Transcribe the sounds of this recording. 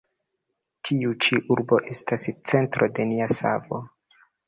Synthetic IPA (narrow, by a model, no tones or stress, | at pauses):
tʰiut͡ʃiʔuɾbo̞ʔe̞stast͡se̞ntɾode̞niasa̰vo̞̰